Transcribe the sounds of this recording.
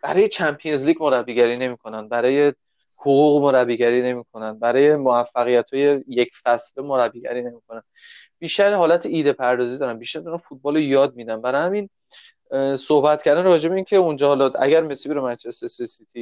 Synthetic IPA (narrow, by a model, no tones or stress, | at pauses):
b̥æɾɒːje̞t͡ʃʰæmpʰijenzliːɟmoɾæbiɡæɾine̞miːkʰo̞nænbæɾɒːje̞ | hoɣuːɣmoɾæbiɡæɾiːne̞miːkʰo̞nænbæɾɒːje̞moæfːæɣijæt̪ʰhɒːje̞jecʰfæslemoɾæbiɟæ̰ɾine̞miːkʰonæn | b̥iːʃt̪æɾhɒːlæt̪ʰeiːd̪e̞pʰæɾd̪ɒːzid̪ɒːɾænbiʃt̪æɾd̪unɒfut̪̚bɒːlojɒːd̪̚mid̪ænbæɾɒhæmin | sohbæt̪cʰæɾd̪ænɾɒːd͡ʒebe̞incʰe̞und͡ʒɒːhɒlɒæ̰ɟæɾmesibiɾemæt͡ʃesesesit̪ʰi